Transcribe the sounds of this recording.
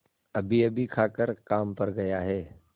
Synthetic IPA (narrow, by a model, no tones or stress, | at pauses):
ɐbʱiɐbʱikʰaːkəɾkaːmpɐɾɡɐjaɦɛː